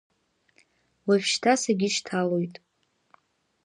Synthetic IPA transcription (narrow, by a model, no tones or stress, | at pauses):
wavʃtʰasaɡʲiʃtʰalojtʼ